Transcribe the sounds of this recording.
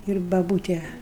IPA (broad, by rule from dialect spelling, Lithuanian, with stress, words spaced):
ɪr bɐˈbuːtʲɛ